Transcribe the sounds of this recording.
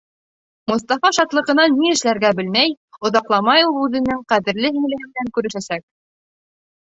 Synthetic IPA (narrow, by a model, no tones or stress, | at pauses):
mŏst̪ɑfɑʃɑt̪lˠɤ̆ʁɤ̆nɑnːiɘ̆ʃlæɾɡæbɘ̆lmæj | ŏðɑqlˠɑmɑjulˠʉðɘ̆nɘŋqæðɘ̆ɾlɘɦiŋlɘ̆ɡɘ̆md̪æŋkʉɾɘ̆ʃæsæk̚